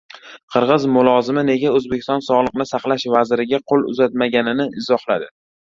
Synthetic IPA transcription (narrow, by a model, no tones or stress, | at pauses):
qʰɨɾʁɨzmʊlˠɒzɪmɪne̞ɡʲaɵzbekʲɪ̥st̪ɒnsɒʁlˠɨqnɪsaqlˠaʃvazɪɾɪɡʲaqʰolˠʊ̰zat̪̚maɡʲanɪnɪʔɪzɒhlˠad̪ɪ